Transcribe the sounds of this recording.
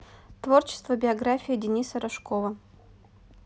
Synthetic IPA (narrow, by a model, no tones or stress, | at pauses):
t̪vo̞rt͡ɕɪ̥st̪vəbʲɪɐɡɾafʲijɪdʲɪnʲisəɾɐʂkovə